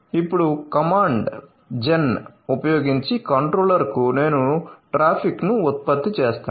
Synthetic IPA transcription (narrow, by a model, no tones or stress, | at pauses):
ipːuɽukɐmaːɳɖ | d͡ʒenupɐjoːɡiɲt͡ʃikɐɳʈɾoːlɐɾkune̞ːnuʈɾaːpʰiknuːt̪̚pɐt̪ːit͡ʃeːst̪aː